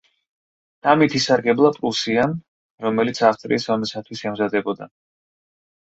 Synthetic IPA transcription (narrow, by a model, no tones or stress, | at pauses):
d̪̥amit̪ʰisaɾɡɛblˠapʼɾusiam | ɾɔmɛlit̪sʰaft̪ʼɾḭːsɔmɛsat̪ʰwisɛmzad̪ɛbɔd̪a̰